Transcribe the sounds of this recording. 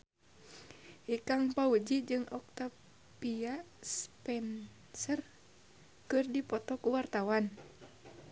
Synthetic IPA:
hikaŋpaud͡ʒid͡ʒɨŋɔk̚t̪a | pia | spɛn | sər | kɨrdipɔt̪ɔkuwart̪awan

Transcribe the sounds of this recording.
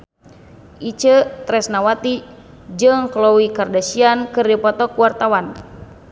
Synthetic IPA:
ʔit͡ʃət̪ɾɛsnawat̪i | d͡ʒɨŋklɔwikardasiankɨrdipɔt̪ɔkuwart̪awan

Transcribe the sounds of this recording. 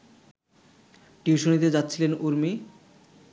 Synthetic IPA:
ʈiuʃonit̪ed͡ʑat̪ːɕʰilenuɾmi

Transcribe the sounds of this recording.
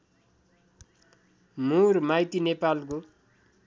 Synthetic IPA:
murmajt̪inepalko

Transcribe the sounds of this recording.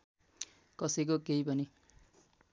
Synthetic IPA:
kʌsʌk̬okeipʌni

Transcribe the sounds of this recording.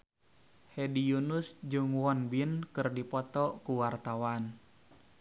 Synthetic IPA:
hedijunusd͡ʒuŋwɔnbinkɨrdipɔt̪ɔkuwart̪awan

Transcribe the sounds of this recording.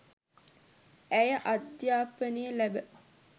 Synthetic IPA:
æjəʔad̪jaːpənəjəlæbə

